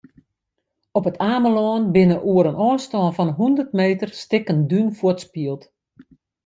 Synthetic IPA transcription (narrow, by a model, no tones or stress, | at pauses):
ɔpətʰaːməlɔːnbɪnəʔuəɾənʔɔːstɔnfɔnɦundərtmeːtərstɪkəndynfʊtspiəlˠt